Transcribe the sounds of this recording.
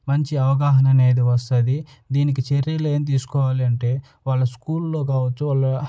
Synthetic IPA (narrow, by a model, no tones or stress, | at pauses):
mɐɲt͡ʃiɐʋɐɡaːɦɐnɐne̞ːd̪iʋɐst̪ɐd̪i | d̪iːnik̬it͡ʃeɾjɐle̞ːmt̪̬iːsu̥kɔːʋaːlɐɳʈe̞ː | ʋaːɭːɐskuːlːo̞ːk̬aːʋɐt͡ʃːuʋaːlːɐ